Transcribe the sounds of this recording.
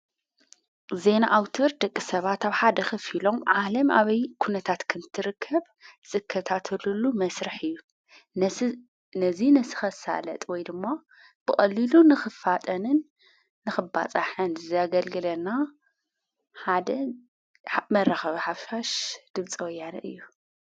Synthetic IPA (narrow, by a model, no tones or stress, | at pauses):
ze̞naʔawt̪ʰɨɾd̪ɐkʼːisɐβat̪aβħad̪ɐxɨfilo̞mʕalɐma̰βɐjkʰunɐt̪ʰat̪kʰɨnt̪ʰɨɾɨkʰːɐβ | z̥ʼɨkʰːɐt̪ʰat̪ʰɨlulumɐsɾɨħɨjːu | nɐzinɐsɨ̥xɐsa̰lɐ̰t̪ʼwɔjd̪ɨmːa | b̥ɨχʼɐlːilunɨxɨfat̪ʼɐnɨnː | ɨxɨba̰t͡sʼaħɨnzɨzaɡɐlɡɨlɐna | ħad̪ɐ | mɐraxɐβɐħafʃaʃd̪̥ɨβt͡sʼiwɐjanɐʔɨ̰jːu